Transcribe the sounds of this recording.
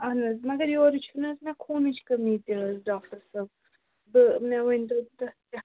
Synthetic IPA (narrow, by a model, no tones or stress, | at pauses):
ɐnɐzmɐɡɐɾjoːɾit͡ʃʰunɐzmɛ̃kʰoːnɨt͡ʃʰkɐmiːt̪iɖaːkʈɐɾsɐb̚ | bɨmɛ̃ʋɐnʲd̪ɐt̪ɐt̪ʲɐ